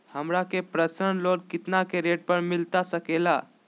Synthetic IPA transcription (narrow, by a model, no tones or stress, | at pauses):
həmɾakepɾəsəɳloːɾkɪt̪nakeɾeʈ̚pəɾmɪlt̪asəkela